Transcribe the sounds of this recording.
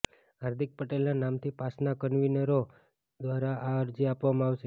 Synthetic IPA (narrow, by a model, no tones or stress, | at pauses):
ɦaɾd̪ʱik̚pəʈelnanamt̪ʰipasnakənʋinəɾo | d̪ʋaɾaʔaəɾd͡ʒiapʋamãaʋʃe